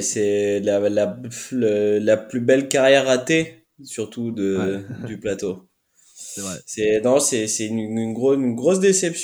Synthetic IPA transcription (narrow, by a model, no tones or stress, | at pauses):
sɛlalaləlaplybɛlkaʁjɛʁat̪e | syʁt̪ud̪əd̪yplat̪o | ɛsɛnɔ̃sɛsɛynynɡʁoynɡʁos̬d̪esɛps